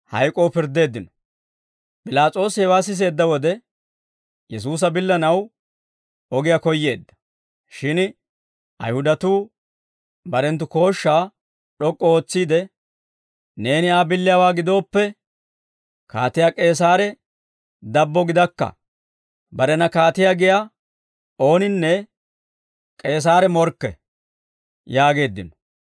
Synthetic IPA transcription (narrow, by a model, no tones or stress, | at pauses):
hɐ̰jkʼoːpɪɾd̪e̞ːd̪ːɪnɔ̥ | pʼɪlaːt͡sʼo̞ːshɛwaːs̬ɪs̬e̞ːd̪ːɐwɔd̪ɛ | jɛs̬uːs̬ɐbɪlːɐnɐw | ɔɡɪjakɔjːe̞ːd̪ːɐ̥ | ʃɪn | ʔɐ̰jhʊd̪ɐt̪uː | bɐɾɛnt̪̬ʊko̞ːʃːaː | ᶑɔkʼːɔoːt͡sːiːd̪ɛ | ne̞ːnɪaːbɪlːɪjaːwaːɡɪd̪o̞ːpːɛ | kaːt̪ɪjaːkʼe̞ːs̬aːɾɛ | d̪ɐbːɔɡɪd̪ɐkːɐ̰ | bɐɾɛnɐkaːt̪ɪjaːɡɪja | o̞ːnɪnːɛ | kʼe̞ːs̬aːɾɛmɔɾkːɛ̰ | jaːɡe̞ːd̪ːɪnɔ